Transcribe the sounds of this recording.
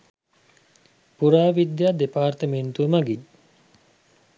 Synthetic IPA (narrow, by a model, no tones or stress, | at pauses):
puɾaːʋid̪jad̪epaːrt̪əment̪uəmɐɡiɲ